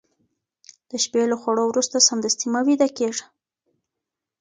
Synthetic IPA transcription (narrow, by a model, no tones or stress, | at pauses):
d̪̥əʃpelaxwaɽowɾust̪asamd̪ast̪imawid̪akeʐḁ